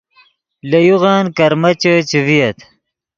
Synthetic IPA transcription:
lɐjuʁaːnkɐɾmɐt͡ɕət͡ɕivijɐt̪

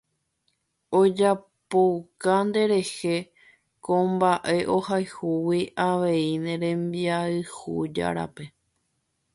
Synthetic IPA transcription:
o̞d͡ʒa | powkand̪e̞ɾe̞he̞ | kõmbaʔe̞ʔo̞hajhuwiʔaʋe̞inẽ̞ɾẽ̞mbiaɨhṵd͡ʒa̰ɾa̰pe̞

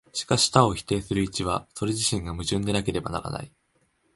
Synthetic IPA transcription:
ɕi̥kaɕi̥t̪ao̞çʲi̥t̪e̞ːsɨɾɯ̟it͡ɕiβ̞aso̞ɾe̞ʑiɕĩŋɡamɯ̟ʑɨ̃nd̪e̞nake̞ɾe̞ba̰na̰ɾa̰na̰i

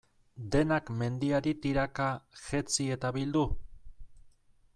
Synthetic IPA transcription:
d̪e̞nakme̞nd̪iaɾit̪iɾakaʝet͡sie̞t̪aβild̪u

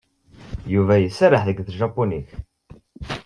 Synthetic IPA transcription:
juvæjəsɾəħðəɡθʒɑpːuniç

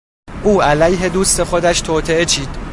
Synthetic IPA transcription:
ʔuːælæjɦe̞d̪uːst̪e̞xod̪æʃt̪ʰoːt̪ʰee̞t͡ʃʰiːd̪̥

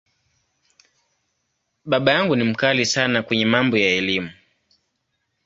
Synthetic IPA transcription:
ɓaɓajaŋɡunim̩kalisanakwɛɲɛmambɔjaɛlimu

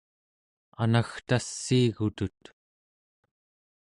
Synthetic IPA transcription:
a̰naxt̪asːiːɣut̪ut̪

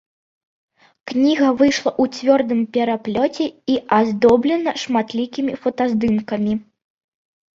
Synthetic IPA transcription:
knʲiɣɐvɨjʂlˠɐʔut͡sʲvʲɔrd̪ɨmpʲɛɾaplʲɔt͡sʲɛiʔazd̪ɔblʲɛnɐʂmat̪lʲikʲimʲifɐt̪azd̪ɨmkɐmʲi

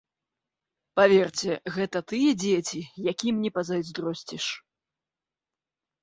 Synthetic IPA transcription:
pavʲɛrt͡sʲɛɣɛt̪ɐt̪ɨjɛd͡zʲet͡sʲijakʲimnʲɛpɐzajzd̪ɾɔsʲt͡sʲiʂ

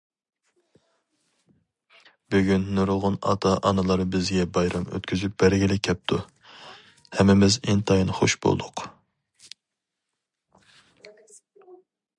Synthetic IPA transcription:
byɡʲynːuɾlˠʁʊnɑ̰t̪ʰɑʔɑnɨlˠɑɾbɪzɡʲɛbɑjɾɑmø̰t̪kʲʰyzyp̚b̥æɾɡʲilɪkʲʰɛp̚t̪ʰu | hɛmːɪmɪzint̪ʰɑjnχo̰ʃbo̰l̰ˠd̪ʊq

